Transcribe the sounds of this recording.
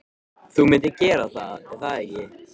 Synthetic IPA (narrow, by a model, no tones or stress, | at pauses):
θumɪnt̪ɪcɛːɾaθaðɛθaðɛɾjɛ